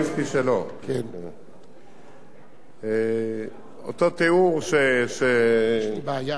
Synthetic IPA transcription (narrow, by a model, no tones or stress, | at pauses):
skiselok | e | o̰t̪ot̪euʁsese